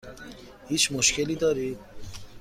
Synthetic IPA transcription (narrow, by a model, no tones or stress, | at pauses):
hit͡ʃmuʃkelid̪ɔɾi